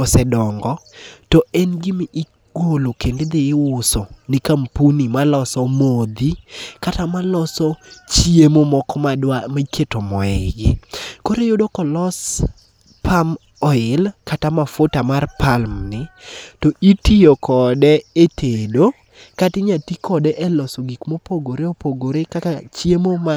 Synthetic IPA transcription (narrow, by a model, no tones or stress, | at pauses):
osɛdɔŋɡɔtɔɛnɡɪmiʔɪ | ɡ̥olokended̪ɪːwʊsonɪkampunimalɔsɔmod̪ikatamalɔsɔt͡ʃiemomɔkɔmaamaketomɔɛɡɪ̰koɾejodokɔlɔs | pʰam | ɔɪlkatamafotamarpalmnɪtɔʔitiokʰɔdɛetʰedo | katɪɲatikʰɔdɛʔɛlɔsɔɡikmopoɡoɾeopoɡoɾekakat͡ʃjemoma